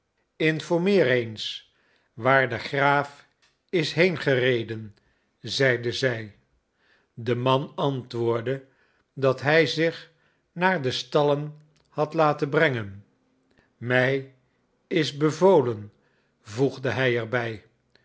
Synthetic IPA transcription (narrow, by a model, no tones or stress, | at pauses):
ɪnfɔɹmɪːrejns | ʋaːɹdəχraːf | ɪsɦejnχərejdən | zɛjdəzɛj | dəmɑnɑntʋʊːɹdə | dɑtɦɛjzɪχ | naːɹdəstɑlən | hɑtlaːtənbrɛŋən | mɛj | ɪzbəvowlən | vuχdəɦɛjɛɹbɛj